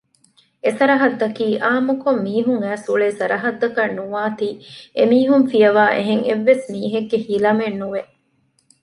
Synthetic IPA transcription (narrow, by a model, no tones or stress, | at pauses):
esɐɾɐɦɐd̪ːɐkiːʔaːmukomːiːɦuŋæːsuɭeːsɐɾʔɐɦɐd̪ːɐkɐnːuʋaːt̪iːʔemiːɦumfijɐʋaːʔḛɦeŋḛʋːesmiːɦeɡːehilɐmenːuʋe